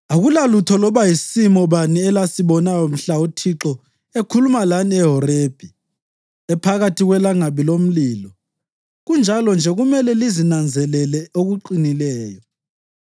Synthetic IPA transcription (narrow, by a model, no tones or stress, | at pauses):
aɣulalutʰɔlɔβajisimɔβaniɛlasiβɔnajom̩ɬautʰiǁɔ | ekʰulumalaniɛɦɔɾeːb̥ʱi | ɛpʰaɣatʰiɣwɛlaŋaβilom̩liːlɔ | ɣund͡ʒʱalɔnd͡ʒʱɛɣumɛlɛlizinand͡zʱɛlɛlɛoɣuǃinilɛːjɔ